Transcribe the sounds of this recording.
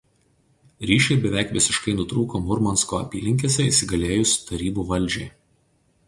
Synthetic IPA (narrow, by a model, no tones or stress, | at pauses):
ɾʲiːʃʲɛɪbʲɛʋʲæˑɪkʋʲɪsʲɪʃkɐɪnʊt̪ɾuːkomʊɾmɔnskoːɐ̰pʲiːlʲɪŋʲkʲeːsʲɛisʲɪɡɐlʲeːjʊsʲt̪ɐɾʲiːbuːʋɐlʲˑd͡ʒʲɛɪ